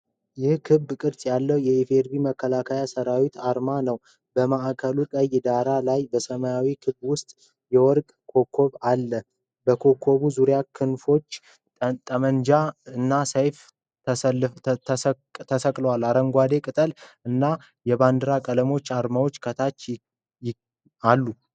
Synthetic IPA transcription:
jɪhkʰɨbkʼɨɾsʼjalːəwjɛifeɾbiməkːəlakʰajasəɾawit̪aɾmanəw | bəmaʔakʰəluk̪ʼəjd̪aɾalajbəsəmajawikʰɨbwʊst̪ʼ | jɛwɔɾkʼkʰo̞kʰːo̞βalːə | bəkʰo̞kʰːo̞βuzuɾjakʰɨnfo̞t͡ʃː | t̪ʼəmənd͡ʒaɨnːasəjf | t̪ʰəsəkʼləwalːaɾəŋɡʷad̪e̞kʼɨt̪ʼəlɨnːa | jɛband̪ɨɾakʼələmo̞t͡ʃːaɾmawot͡ʃːkʰət̪ʰat͡ʃː | j | alːu

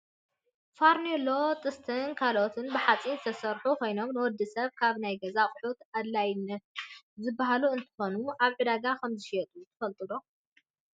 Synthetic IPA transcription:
faɾnelo̞t̪ʼɨst̪ʰɨnkʰalot̪ʰɨnbɨħat͡sʼinzɨt̪ʰɐsɐɾħukʰo̞jno̞mnɨwɔd̪ːisɐβkʰaβnajɡɐzaχʼʊħut̪ad̪lajnɐt̪zɨbːahaluɨnt̪ʰɨ̥xo̞nuʔaβʕɨd̪aɡakʰɐmzɨʃɛt̪ʼut̪ʰɐfɐlt̪ʼɨlo

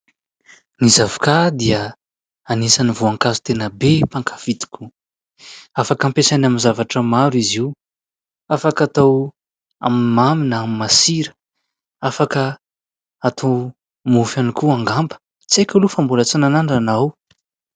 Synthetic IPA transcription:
nizavkad̪iə | anisanivoaŋkazut̪enəbepaŋkʰḁfit̪i̥kʲu | afakampesajnaminzavaʈ͡ʂəmaɾiziw | afakat̪aw | a̰mimaminəamimasiɾə̥ | afakə | at̪ʰaw | mufanikuaŋɡambə̥ | t͡sejkʲalufambulət͡sinanaɳɖ͡ʐanaw

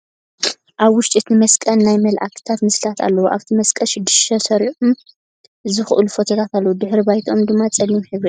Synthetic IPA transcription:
ʔaβwʊʃt͡ʃʼit̪nɨmɐskʼɐnːajmɐlʔa̰kʰɨ̥t̪ʰat̪mɨslat̪ʰa̰lːɐwuʔa̰βt̪ʰimɐskʼɐʃɪd̪ːɨʃt̪ʰɐsɐɾiʔum | zɨxʔɨlufot̪ʰɐɡ̪ʰat̪ʰalːɐwud̪ɨħɾibajt̪ʰo̞md̪ɨmːat͡sʼɐlimħɨβɾi

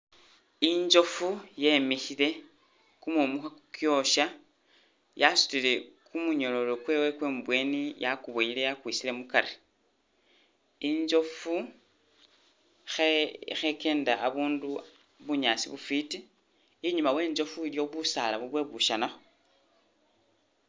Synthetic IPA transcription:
iɲd͡ʒo̞fujemiçile̞ | kumumuxakjo̞ʃa | jasu̥tile̞kumuɲo̞lo̞lo̞kweːwe̞kweːmbwe̞nijakuβoile̞jakwisile̞mukaɾe | iɲzo̞fu | xexeke̞ːndaʔːβuːndu | βuɲasḭβufitiː | ɲumawe̞ːɲzo̞fuiljo̞βusalaβuβwe̞βuʃanaxo

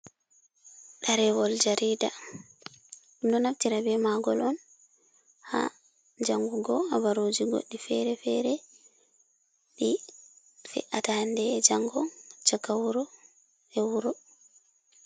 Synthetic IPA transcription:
ɗaɾɛwɔld͡ʒaɾiːda | ndɔnaftiɾabɛmaɡɔlɔn | ha̰ | d͡ʒaŋɡuɡɔavaɾod͡ʒiɡo̰ɗːifɛɾɛfɛɾɛ | ɗi | fɛ̰ʔatandɛd͡ʒaŋɡɔnt͡ʃakːawuɾɔ | ɛwuɾɔ

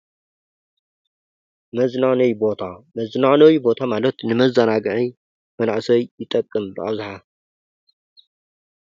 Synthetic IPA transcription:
mɐznanɐjbo̞t̪ʰamɐznanɐwjbo̞t̪ʰamalɐt̪nɨmɐzɐnaɡɨʕi | mɐnaʕsɐjjɪt̪ʼɐkʼːɨmbɨʔa̰wzħa

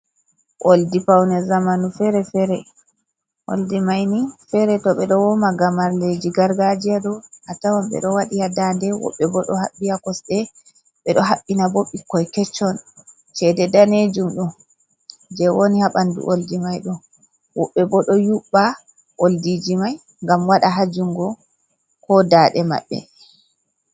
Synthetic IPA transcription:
ʔoldipawnɛzamanufɛɾɛfɛɾɛ | ʔo̰ldimajnifɛɾɛtɔɓɛɗɔwɔmaɡamaɾled͡ʒiɡaɾɡad͡ʒiaɗɔʔatawamɓɛ̰ɗɔwaɗijadandɛwɔ̰ɓːɛbɔɗɔhaɓːiakɔsɗɛ | ɓɛɗɔɦaɓːinaboɓːikːɔjkɛt͡ʃːɔn | t͡ʃɛdɛdaned͡ʒumɗum | d͡ʒɛwonihaɓandṵʔoldimajɗɔ | wɔɓːɛbɔɗɔjuɓːa | ʔoldid͡ʒimaj | ŋɡamwaɗaɦad͡ʒuŋɡɔ | kɔdaɗɛma̰ɓːɛ̰

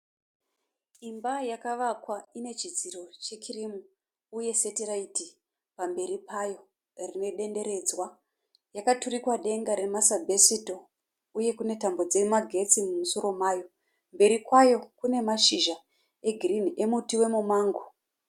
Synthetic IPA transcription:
imbajakaʋakwaine̞t͡ʃid͡ziro̞t͡ʃe̞kʰirimuː | je̞se̞tiraiti | pambe̞ɾipajo̞ | rine̞ɗe̞nde̞ɾe̞d͡zwa | jakaturikwaɗe̞ŋɡaɾe̞masabʱesito̞ | uje̞kune̞tambo̞d͡ze̞maɡʱe̞t͡simumusoɾo̞maːjo̞ | mbe̞ɾikwajo̞kune̞maʃiʒa | e̞ɡʱirin̤iʔe̞mutiwe̞mumaːŋɡo

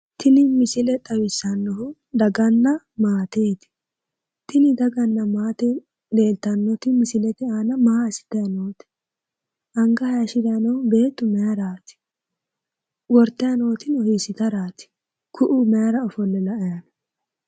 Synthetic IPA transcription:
t̪ɪnɪmɪsɪlɛt̪ʼɐwɪsːɐnːɔhʊ | d̪ɐɡɐnːɐ | maːt̪eːt̪ɪ̥ | t̪ɪnɪd̪ɐɡɐnːɐmaːt̪ɛ | le̞ːlt̪ːɐnːɔt̪ɪmɪsɪlɛt̪ɪaːnɐmaːsɪ̥t̪ɐjɐnoːt̪ɪ̥ | ʔɐŋɡɐhɐjɐʃɪd̪ɐjɐnɔhʊbe̞ːt̪ːʊmɛaɾaːt̪ɪ̥ | wɔɾt̪ːɐjɐnoːt̪ɪnɔhisɪt̪ɐɾaːt̪ɪ̥ | kʰʊʔumɛaɾɐɔfɔlːɛlɐɐjɐnɐ

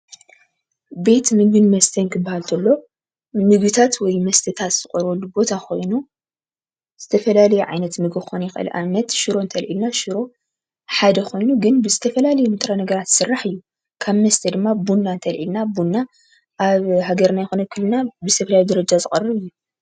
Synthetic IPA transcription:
be̞t̪mɨɡbɨnmɐst̪ʰɐnkʰɨbːahalt̪ʰɐlːo̞ | mɨɡɨt̪ʰat̪wɔjmɐst̪ʰɐt̪ʰat̪zɨkʼɐɾɐlːubo̞t̪ʰakʰo̞jnu | z̥ɨt̪ʰɐfɐlalɐjɛʕa̰jnɐt̪mɨɡɨxonjɛxʔɨ̰lʔa̰nɐt̪ʃɨɾo̞nt̪ʰɐlʕilnaʃɨɾo̞ | ħad̪ɐkʰo̞jnuɡɨnbɨzɨt̪ʰɐfɐlalɐjumɨt̪ʼɾanɐɡɐɾat̪sɨrːaħɨjːu | kʰaβmɐst̪ʰɐd̪ɨmːabunːant̪ʰɐlʕilnabunːa | ʔaβhaɡɐɾnajɛxonɐkʰɨlːɨnabɨzɨt̪ʰɐfɐlajid̪ɐɾɐd͡ʒazɨkʼɐrːɨβɨjːu

